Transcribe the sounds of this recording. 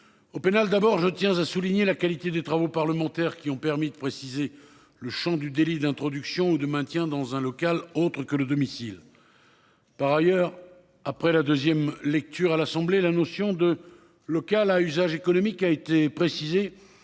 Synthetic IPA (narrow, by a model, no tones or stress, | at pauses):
openald̪abɔʁʒət̪jɛ̃zasuliɲelakalit̪ed̪et̪χavopaʁləmɑ̃t̪ɛʁkʲiɔ̃pɛʁmid̪əpχesize | ləʃɑ̃d̪yd̪elid̪ɛ̃t̪χɔd̪yksjɔ̃ud̪əmɛ̃t̪jɛ̃d̪ɑ̃zɛ̃lɔkalot̪χəkələd̪ɔmisil | paʁajœʁ | apχɛlad̪øzjɛmlɛk̚t̪yʁalasɑ̃blelanɔsjɔ̃d̪ə | lɔkalayzaʒekɔnɔmikaet̪epχesize